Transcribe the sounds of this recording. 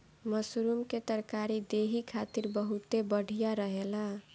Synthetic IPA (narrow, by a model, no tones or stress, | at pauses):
məsuɾumket̪əɾkaɾid̪eɦikʰat̪iɾbəɦut̪ebəɽ̤ʱijaɾəɦela